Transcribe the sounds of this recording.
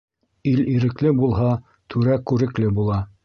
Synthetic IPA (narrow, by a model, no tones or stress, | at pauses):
iliɾɘ̆klɘbulˠɦɑ | t̪ʰʉɾækʉɾɘ̆klɘbulˠɑ